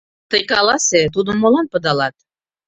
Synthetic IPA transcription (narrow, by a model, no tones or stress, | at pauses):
t̪əjkɑlɑset̪̬ud̪ənmolɑnpə̆d̪ɑlɑt̪̚